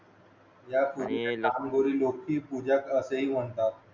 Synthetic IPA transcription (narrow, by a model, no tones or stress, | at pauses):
jakʰuɾineaːmɡoɾiːlokʰiːpuːd͡ʑakəseɦiːm̤əɳt̪a